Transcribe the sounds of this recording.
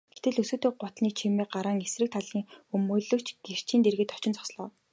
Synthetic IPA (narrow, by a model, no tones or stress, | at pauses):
ɡ̥e̥t̪ɘ̆ɮɵsɵːt̪eːɢʊt̪niːt͡ɕʰimiːɢaɾəːŋesrɘ̆k̚t̪ʰaɮiːŋxɵmɵːɮɵ̆ːkʰt͡ɕɡ̥er̥t͡ɕiːnt̪erɣɘ̆t̪ɔt͡ɕɪ̆nt͡sɔ̥sɮɔː